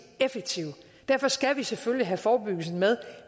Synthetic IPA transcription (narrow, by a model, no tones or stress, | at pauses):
efeɡ̥̚t͡sʰiʊ | d̥æɐ̰fɒ̽sɡ̥æʋiseføljiɦæfɒːb̥yɡ̥l̩sn̩með̞ˠ